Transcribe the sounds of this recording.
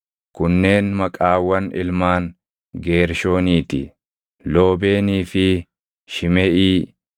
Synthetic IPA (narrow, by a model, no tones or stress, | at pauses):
kʊnːe̞ːnmɐkʼaːwːɐnɪ̰lmaːn | ɡe̞ːɾʃo̞ːniːt̪ɪ | lo̞ːbe̞ːniːfɪ | ʃɪmɛʔiː